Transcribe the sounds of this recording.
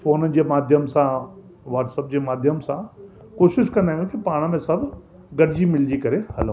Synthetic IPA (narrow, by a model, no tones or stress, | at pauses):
foːnəd͡ʑeːmaːd̪ʱjəmsã | ʋaːʈsɐp̚d͡ʑeːmaːd̪ʱjəmsã | koːʃɪʃkɐ̃nd̪aːɦjũkipaːɽ̃mẽsɐbʱ | ɡɐɽɪd͡ʑimɪld͡ʑikɐɾehɐl